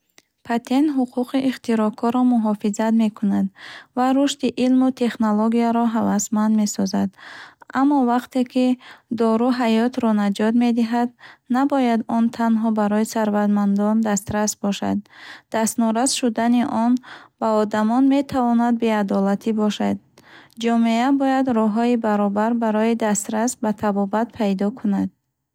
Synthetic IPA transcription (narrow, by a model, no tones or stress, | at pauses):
pʰat̪ʰe̞nt̪ɦuqʰuqiʔiχt̪iɾɔkʰɔɾɔmuɦɔfizat̪me̞kʰunad̪vaɾuʃt̪iʔilmut̪ʰe̞χnoloɡiaɾɔɦavasmand̪me̞sɔzad̪ʔamːɔvaqt̪e̞kʰid̪ɔɾuɦajɔt̪ɾɔnad͡ʒɔd̪me̞d̪iɦad̪nabɔjad̪ɔnt̪ʰanɦɔbaɾɔisaɾvat̪mand̪ɔnd̪ast̪ɾasbɔʃa̰d̪̚ːast̪nɔɾazʃud̪aniʔɔnb̥aɔd̪amɔnme̞t̪ʰavɔnad̪̚be̞ad̪ɔlat̪ʰibɔʃad̪̚ | d͡ʒɔmeabɔjad̪ɾɔɦɔibaɾɔbaɾbaɾɔid̪ast̪ɾasbat̪ʰabɔbat̪̚pʰajd̪ɔkʰunad̪̚